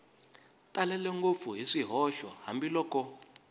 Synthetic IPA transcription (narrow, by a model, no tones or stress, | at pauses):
tʼalɛlɛŋɡop̪fuɦiʂiɦɔʃwaha̰mbilɔːkʼɔ